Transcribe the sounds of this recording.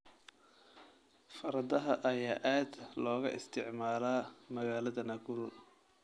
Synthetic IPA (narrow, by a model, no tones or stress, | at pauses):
fɐɾɐd̪ɐɦɐʔɐjaːʔaːd̪lɔːɣɐʔɪst̪ʰɪʕmaːlaːmɐɣaːlɐðɐnɐɡʊɾʊ